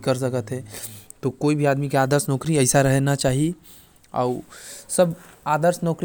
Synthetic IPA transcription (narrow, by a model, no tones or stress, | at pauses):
kəɾs̬əkət̪ɦɛt̪okoːibʱiaːd̪mikeaːd̪əɾsnɔːkɾiɐɪsaɾɐɦnat͡ʃaːɦie | ɔ̰ːsɐbaːd̪əɾsnɔːkɾ